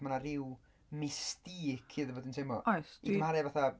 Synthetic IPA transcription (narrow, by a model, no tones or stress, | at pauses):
manaɾɪw | mɪstiːkʰiːðvoːdɪnsʰemɔɔjsikʰəmhaɾɛvaθa